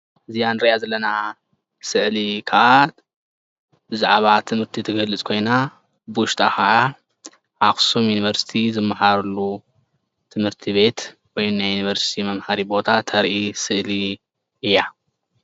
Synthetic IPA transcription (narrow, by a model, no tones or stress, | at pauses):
ʔɨzijanɨɾɐjazɐlːɐna | sɨʕlikʰaʔa | bɨzaʕβat̪ʰɨmhɨɾt̪ʰit̪ʰɨɡɐlɨt͡sʼkʰo̞jna | bɨwʊʃt̪ʼʰaxɐʔa | ʔaxsumjuniβɐɾsi̥t̪ʰizɨmːaħaɾɐlːu | t̪ʰɨmhɨɾt̪ʰiβe̞t̪ | wojnajunivɐɾsi̥t̪ʰimɐmħaɾibo̞t̪ʰat̪ʰɐɾʔisɨʔli | ɨjːa